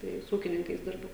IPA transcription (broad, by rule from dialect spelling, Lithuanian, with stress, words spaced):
ˈtɐɪ sʊ ˈuːkʲɪnʲɪŋkɐɪs ˈdʲɪrbʊ